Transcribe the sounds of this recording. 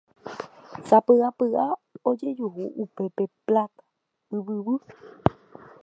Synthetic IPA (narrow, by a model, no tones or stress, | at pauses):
sapɨapɨʔao̞d͡ʒe̞d͡ʒuɦuʔupe̞pe̞plat̪ḁ | ɨβɨβɨ